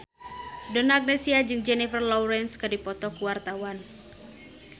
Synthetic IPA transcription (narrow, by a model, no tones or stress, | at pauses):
dɔnaɡ̚nesiad͡ʒɨŋd͡ʒɛnifərlɔwɾɛnskərdipɔt̪ɔkuwart̪awan